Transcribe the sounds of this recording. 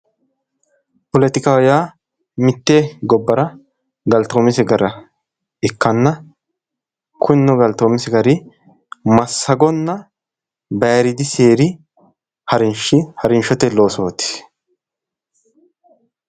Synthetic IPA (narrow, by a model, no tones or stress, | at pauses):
pɔlɛt̪ɪkaːjaː | mɪt̪ːeːɡɔbːɐɾɐ | ɡɐlt̪oːmɪsɛɡɐɾɐ | ɛkːɐnːɐ | kʰʊnːɔɡɐlt̪oːmɪsɛɡɐɾɪ | mɐsːɐɡɔnːɐ | bɐjɾɪd̪ɪseːɾɪ | hɐɾɪnʃɪhɐɾɪnʃɔt̪ɛlo̞ːsoːt̪ːɪ̥s